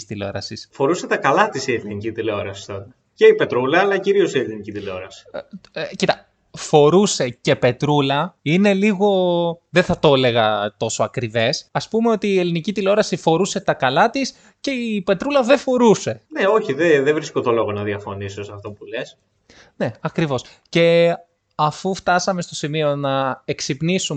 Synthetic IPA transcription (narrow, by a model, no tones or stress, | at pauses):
st̪ileoɾɐ̰sisfo̞ɾuse̞t̪ɐkɐlɐt̪isie̞linicit̪ileo̞ɾɐsi̥st̪ot̪ɐ | ce̞ipe̞t̪ɾulɐːlɐciɾio̞sielinicit̪ileo̞ɾɐsi̥cit̪ɐ | fo̞ɾuse̞ce̞pe̞t̪ɾulɐine̞liɣo̞ðeθɐt̪o̞le̞ɣɐt̪o̞soɐkɾive̞sɐspumeo̞t̪iːe̞linicit̪ileo̞ɾɐsifo̞ɾuse̞t̪ɐkɐlɐt̪is | ce̞ipe̞t̪ɾulɐðefo̞ɾuse̞neo̞çiðeðevɾiskot̪olo̞ɣonɐðiɐfonisosɐft̪o̞pule̞s | ne̞ɐkɾivo̞s | ce̞ | ɐfuft̪ɐsɐme̞st̪o̞simio̞nɐe̞ksipnisum